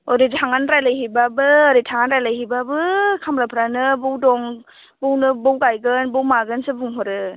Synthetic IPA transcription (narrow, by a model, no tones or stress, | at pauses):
ɔɾitʰaŋanɾajlajɦibabɯɾitʰaŋanɾajlajɦibabɯkʰamɾapʰɾanɯbɯwdɔŋ | bɯwnɯbɔwɡajɡɯnbɯwmaɡɯnsɯbuŋɦɔɾɯ